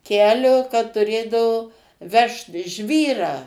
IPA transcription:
ˈkʲæːlʲoː kɐt tʊˈrʲeːdɐʋoː ˈʋʲɛʃt ˈʒʲʋʲiːrɑː

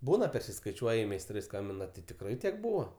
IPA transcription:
ˈbuːnɐ pʲɛrʲsʲɪskɐɪˈt͡ʃʲuɔjɪ mʲɛɪsˈtrɐɪ ˈskɐmʲbʲɪnɐ tʲɪ tʲɪkˈrɐɪ ˈtʲiɛk ˈbuːʋoː

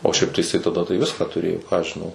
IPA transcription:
oː ʃʲɛɪp tɐɪ jɪˈsɐɪ tɐˈdɐ tɐɪ ˈʋʲɪskɑː tʊˈrʲeːjoː kɑː ɐʃ ʒʲɪˈnɐʊ

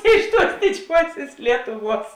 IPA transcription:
ˈɪʃ ˌtuɔs dʲɪˈd͡ʒʲuɔsʲeːs ˈlʲiɛtʊˌʋuɔs

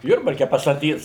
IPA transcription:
ˈjʊrbɐrʲkʲɛ pɐstɐˈtʲiːs

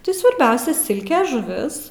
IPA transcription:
ˈtɐɪ sʋɐrʲˈbʲɛʊsʲɛ ˈsʲɪlʲkʲɛ ʒʊˈʋʲɪs

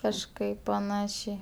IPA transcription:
kɐʃˈkɐɪp pɐˈnɑːʃʲɛɪ

